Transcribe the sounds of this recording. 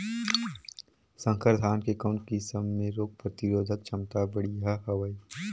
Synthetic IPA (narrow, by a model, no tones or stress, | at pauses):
sə̃ŋkʰəɾd̪ʰʱaːnkekaʊ̃ɳʈkisəmːẽɾoːk̚pɾət̪ɪɾoːd̪ʱət̪̚t͡ʃʰɐmt̪abəɽiɦaɦɐʋəi